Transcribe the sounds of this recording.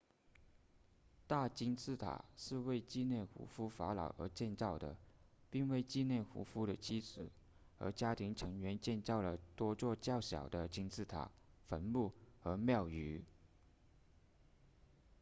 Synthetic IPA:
t̪a˥˩t͡ɕi˥nt͡sʰɹ̩˥˩t̪ʰa̰˨˩ʂɻ̩˥˧we˥˧ɪt͡ɕi˥˧njɛ˥˩xṵ˧˥fu˥fa˧˥lɑ̰˨˩ʊʔə˧˥t͡ɕjɛ˥˧nt͡sɑ˥˩ʊd̪ə̰˩ | pi˥˧ŋwe˥˧ɪt͡ɕi˥˧njɛ˥˩xṵ˧˥fu˥ɾə˨t͡ɕʰi˥t͡sɹ̩˨˩ | ə̰˧˥t͡ɕja˥t̪ʰi˧˥ŋʈ͡ʂʰɤ˧˥ŋɥɛ˧˥nt͡ɕjɛ˥˧nt͡sɑ˥˩ʊlə˩t̪wɔ˥t͡swɔ˥˧t͡ɕjɑ˥˩ʊɕjɑ̰˨˩ʊd̪ə˦t͡ɕi˥nt͡sʰɹ̩˥˩t̪ʰa̰˨˩˦ | fə˧˥nmu˥˩xɤ˧˥mjɑ˥˩ʊy˧˥

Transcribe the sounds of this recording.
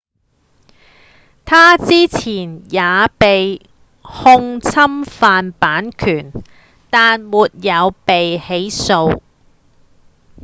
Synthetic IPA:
t̪ʰaː˥t͡siː˥t͡sʰiː˨˩njaː˨˧pe˨j | hʊ˥ŋt͡sʰɐ˥mfaː˧npaː˨˥nkʰyː˨˩n | t̪aː˨nmuː˨t̚jɐ˨˧wpe˨jhe˨˥jso˧w

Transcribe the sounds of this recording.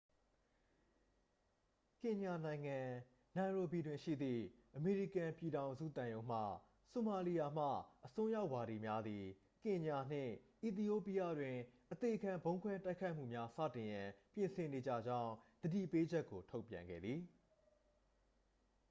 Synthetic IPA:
kɪ̃˨ɲa˨nã˨ɪ̃ŋã˨ | nã˨ɹo˨bi˨dwɪ̃˨ʃḭ˦˨d̪ðḭ˦˨ʔəme˨ɹi˦˨kã˨pji˨ɾã˨ʊ̃nzṵ˦˨t̪ã˨jõ˦ʊ̃m̥ä̰˦˨ | so˨ma˨li˨ja˨m̥a̰˦˨ʔəsʊ̃˦ja˦ʊʔwa˨ɾi˨mja˦d̪i˨ | kɪ̃˨ɲa˨n̥ɪ̰̃˦˨ʔi˨t̪̬i˨o˦˨pi˨jä˦˨dwɪ̃˨ʔət̪e˨ʔəkʰã˨mbõ˦ʊ̃kʰwɛ˦ta˦ɪkʰːa˦ɪʔm̥ṵ˦˨mja˦sä̰˦˨tɪ̃˨jã˨pjɪ̃˨nsʰɪ̃˨ne˨d͡ʑä̰˦˨d͡ʑã˦ʊ̃d̪̥ədḭ˦˨pe˦d͡ʑɛ˦kːo˨tʰo˦ʊpjã̰˨ŋɡɛ̰˦˨d̪ði˨

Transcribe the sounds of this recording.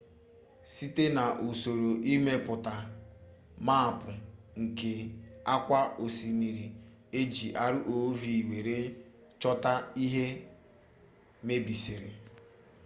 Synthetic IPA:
si˦te˦na˨ʔu˨so˨ɾo˨ʔi˦me˦pʊ˨ta˨ | ma˦˨pʊ˨ | ŋ̩˨ke˨a˦kʷa˦o˨si˨mi˨ɾi˨ | e˦d͡ʒi˨ʔa˦ɾʊ˦ʔo˨˦vi˨i˨we˨ɾe˦ | t͡ʃɔ˦ta˦i˦ɦe˦ | me˦bi˨si˨ɾɪ˨

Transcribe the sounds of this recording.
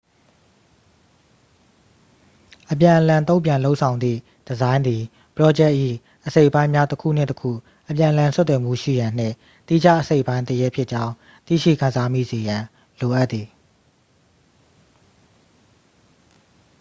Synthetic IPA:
ʔəpjã˨ʔəlã˨nt̪õ˦ʊ̃pjã˨lo˦ʊʔsʰã˨ʊ̃nd̪ðḭ˦˨ | d̥əzã˦ɪ̃nd̪i˨ | pəɹɔ˦d͡ʑɛ˦ʔːḭ˦˨ | ʔəse˦ɪʔpã˦ɪ̃mja˦təkʰṵ˦˨n̥ɪ̰̃˦˨təkʰṵ˦˨ | ʔəpjã˨ʔəlã˨st̪wɛ˨m̥ṵ˦˨ʃḭ˦˨jã˨n̥ɪ̰̃˦˨ | t̪i˦d͡ʑa˦ʔəse˦ɪʔpã˦ɪ̃nt̪əjɛ˦pʰjɪ˦ʔt͡ɕã˦ʊ̃ | t̪ḭ˦˨ʃḭ˦˨kʰã˨nza˦mḭ˦˨ze˨jã˨ | lo˨ʔa˦t̪ːi˨

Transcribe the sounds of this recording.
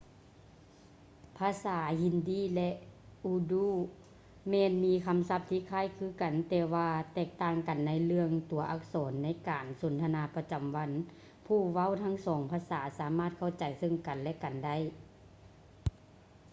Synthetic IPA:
pʰaː˧˥˨saː˨˩˦hi˧ndiː˧˥˩lɛ˧ʔʔuː˧duː˧˥˨ | mɛː˧˨nmiː˧˥kʰa˧˥msa˧p̚t̪ʰiː˧˨kʰaː˧˥˨jkʰɯː˧˩˨ka˨˩nt̪ɛː˧waː˧t̪ɛː˧˩k̚t̪aː˧˩ŋka˨˩nːa˧˥jlɯ˧əŋt̪u˨˦ɐʔa˧˥k̚sɔː˨˦nːa˧˥˨jkaː˨˩nso˨˦nt̪ʰa˧naː˧˦pa˧t͡ɕa˨˩mwa˧˥n | pʰuː˧˩wa˧˥˨wt̪ʰa˧˥˨ŋsɔː˨˦ŋpʰaː˧˥saː˩˦saː˨˦maː˧˥˩t̪̚kʰa˧˥˩wt͡ɕa˨˩jsɤ˧˥˨ŋka˨˩nlɛ˧ʔka˨˩nda˧˥˨j

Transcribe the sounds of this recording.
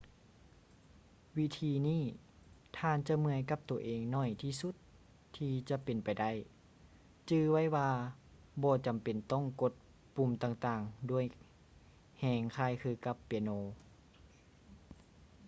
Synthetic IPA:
wi˦˧˥t̪ʰiː˧niː˧˥˩ | t̪ʰaː˧˨nt͡ɕa˧mɯ˧əjka˧˥p̚t̪u˨˩ɐʔeː˨˩ŋnɔː˧˩jt̪ʰiː˧su˧˥t̪ʰː | iː˧t͡ɕa˧˦pe˨npa˨jda˧˥˩j | t͡ɕɯː˧wa˧˥˨jwaː˧ | bɔː˧t͡ɕa˨˩mpe˨nt̪ɔ˥˨ŋko˧˥t̪̚ | pu˧˩˨mt̪aː˧˩ŋt̪aː˧ŋdu˧˩əj | hɛː˧˩ŋkʰaː˧˥˨jkʰɯː˧ka˧˦pːe˧noː˧

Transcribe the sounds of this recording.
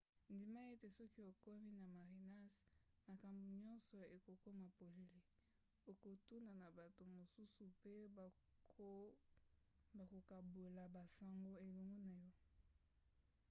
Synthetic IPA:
ndi˨ma˦e˦te˨sɔ˦ki˦o˨kɔ˦mi˦na˨ma˨ʁi˨na˦s | ma˨ka˨mbu˨ɲɔ˦nsɔ˨e˨ko˨ko˦ma˨po˨le˨li˦ | o˨ko˨tu˦na˨na˨ba˨to˨mo˨su˦su˨pe˦ | ba˨ko˨ka˨bo˨la˨ba˨sa˨ŋɡo˦e˨lo˨ŋɡɔ˦na˨jɔ˦

